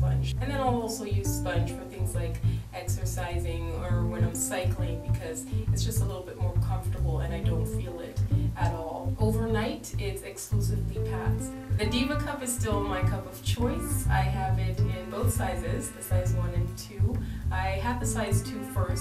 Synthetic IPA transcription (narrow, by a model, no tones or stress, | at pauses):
pʌ̃nd͡ʒɨ̃nðɨ̃naɪlˠɔlˠsoʊjʉz̥spʌ̃nʒ̥wɨð̥θɪ̃ŋzlaɪkɛksə˞saɪzɪ̃ŋə˞wɨ̃nãɪ̃msaɪkʰlɪ̃ŋbɨkʰʌzɨtsd̥ʒ̥ʌstəlɪɾl̩ˠbɪt̚mɔɹkʰʌ̃ɱftə˞bl̩ˠɨ̰̃naɪdõʊ̃ntfilˠɪɾʔɨɾɔlˠoʊvə˞naɪɾɪtsɨksklusɨvlipʰæ̰ts | ðɨdimɨkʰʌpɨz̥stɪlˠmaɪkʰʌpʌv̥t͡ʃʰɔɪsa̰ɪɨvɪɾɪ̃nboʊθsaɪzɪz̥ðɨsaɪzwʌ̃nɨ̃ntʰʉʔaɪɨvðɨsaɪztʰʉfɜ˞s